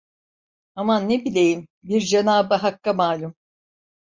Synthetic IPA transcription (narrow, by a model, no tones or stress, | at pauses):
amanːebilʲejimbiɾd͡ʒenaːbaɦakːamaːlʲum